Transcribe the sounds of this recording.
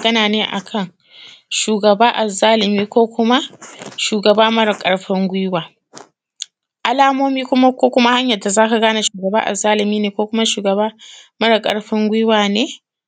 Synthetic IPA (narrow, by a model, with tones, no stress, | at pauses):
ɐ˨ɡɐ˦naː˨neː˦ʔa̰˨kʰɐ˦˨ŋ | ʃuː˨ɡɐ˨baː˦ʔa˨zaː˦lɪ˨miː˦kʷoː˦kʷʊ˦ma˦ʃuː˨ɡɐ˨baː˦mɐ˦ɽɪ˨kʼɐ˨ɽɸɪ˦ŋɡʷʊ˦waː˨ | ʔa˨laː˦moː˦miː˦kʷʊ˦ma˦kʷoː˦kʷʊ˦ma˦ha˦ɲjɐ˨da˨zaː˦ka˨ɡaː˦na˨ʃuː˨ɡɐ˨baː˦ʔa̰˨zːaː˦lɪ˨miː˦neː˨kʷoː˦kʷʊ˦ma˦ʃuː˨ɡɐ˨baː˦mɐ˦ɽɐ˨kʼɐ̰˨ɽɸɪ˦ŋɡʷʊ˦waː˨neː˦